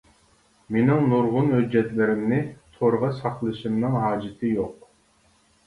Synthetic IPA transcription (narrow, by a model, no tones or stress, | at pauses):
menɪŋnuɾʁʊnhød͡ʒɛt̪lɪɾɪmnɪt̪ʰoɾʁɑsɑqlˠɨʃɨmnɨŋɦɑːd͡ʒɪt̪ʰɨjoq̚